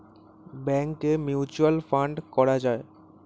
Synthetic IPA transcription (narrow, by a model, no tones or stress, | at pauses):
bɛŋkemjiut͡ɕualfaɳɖkɔɾad͡ʑae